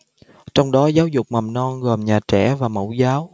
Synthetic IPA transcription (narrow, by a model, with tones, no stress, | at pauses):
t͡ɕɔ˧wŋ͡mɗɔ˨˦zaː˨˦wzʊ˨˩k͡p̚ma˨˩mnɔ˧nɣɔ˨˩mɲaː˨˩t͡ɕɛ˧˩˨vaː˨˩mə̰˧˩wzaː˨˦w